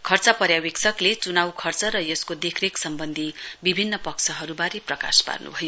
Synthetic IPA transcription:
kʰʌrt͡sʌpʌɾjaweksʰʌklet͡sunawkʰʌrt͡sʌɾʌjʌskod̪ekʰreksʌmbʌnd̪ʱibibʱinːʌpʌksʰʌɦʌɾubaɾeprʌka̰spa̰rnṵbʱʌjo

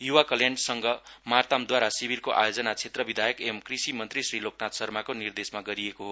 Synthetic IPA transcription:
juwakʌljaɳɖsʌŋɡʌmart̪amd̪waɾasibʱirkoʔa̰jod͡zʌnat͡sʰet̪rʌbid̪ʱajʌkemkrisimʌnt̪risriloknat̪sʌrmakonird̪esmaɡʌɾiekoɦo

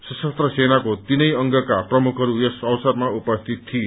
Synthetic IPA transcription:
sʌsʌst̪rʌsenakot̪inʌjʌŋɡʌkaprʌmukʰɦʌɾujesʌwsʌrmaupʌst̪ʰit̪ʰːie

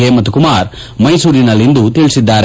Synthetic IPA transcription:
emɐt̪ːukumaːɾ | mɐjsuːɾinɐlːind̪ut̪iɭisid̪ːaːɾ

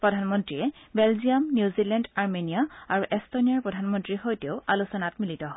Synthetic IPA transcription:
pɹɔdʱanmɔntɹijɛbɛlziamnjuzilɛndaɹmenijaaɹuʔɛstonijaɹpɹɔdʱanmɔntɹixojteʊʔalusɔnatmilitɔɦɔj

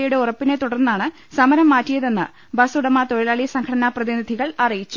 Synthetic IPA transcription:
ɐjuɽe̞urɐpːine̞t̪uɽɐrnːaːɳɨ | sɐmɐɾɐmːaːtːijɐðe̞nːɨ | bɐsuɽɐmaːt̪oɻɐlaːɭisɐŋkʰɐɽɐnaprɐðinid̪ʱiɣɐɭɐrijit͡ɕːu

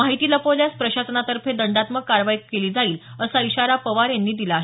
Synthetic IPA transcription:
aɦit̪iːlapoljaspɾəɕasənat̪əɾfʰed̪əɳɖat̪məkːaɾʋajikkeliːd͡zaiːləsaiɕaɾapəʋaɾjanːiːd̪ilaːɦ

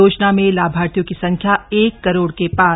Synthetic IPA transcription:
oːt͡ʃnamẽlaːbʱaːɾt̪jõkisɐ̃ŋkʰjaeːkːɐɾoːɽkepaː

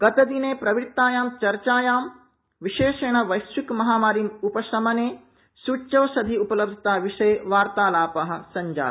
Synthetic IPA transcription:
ɡ̥ɐt̪ɐd̪ineːpɾɐʋɾit̪ːaːjaːmt͡ʃɐɾt͡ʃaːjaːm | ʋiʃeːʃeːɳɐʋɐjsʋikmɐɦaːmaːɾimupɐsɐmɐneː | suːt͡ʃɐːsɐd̪ʱiupɐlɐb̚d̪ʱit̪aːʋiʂɐjʋaːɾt̪aːlaːpɐɦɐ̆sɐɲd͡ʒa̰ː

